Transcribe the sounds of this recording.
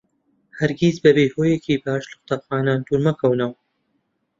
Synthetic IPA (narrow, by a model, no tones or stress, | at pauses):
hɐɾɡʲizbɐbeːhoːjekʰiːbaːʃlɨxʊ̥t̪aːxaːnand̪uːɾmɐkʰɐwnɐw